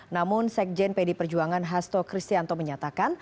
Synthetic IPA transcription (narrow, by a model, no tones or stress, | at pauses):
namʊnsɛk̚d͡ʒɛnpɛdipərd͡ʒuaŋanɦast̪ɔkɾist̪iant̪ɔməɲat̪akan